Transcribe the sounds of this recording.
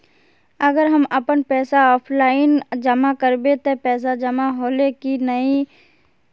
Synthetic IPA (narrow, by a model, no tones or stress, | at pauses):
ɐɡəɾɦɐməpənpɛːsaɔːpʰlaːɪnd͡ʒəmakəɾbet̪epɛːs̬ad͡ʒɐmaɦoːlekinɐi